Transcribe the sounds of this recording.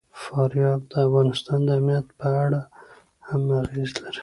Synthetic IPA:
fɑɾjɑb̚d̪əafɣɑnɪst̪ɑnd̪əamnijat̪pəaɽa | hamaɣezlaɾi̥

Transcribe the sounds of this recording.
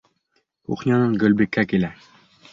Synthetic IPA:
ṵχnʲɑnɤɴɡɵ̆lbikːækilæ

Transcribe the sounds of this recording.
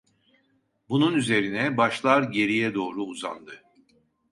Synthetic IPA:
bununyze̞ɾinɛbaʃlˠaɾɟe̞ɾijɛd̪o̞ːɾuːza̰nd̪ɯ

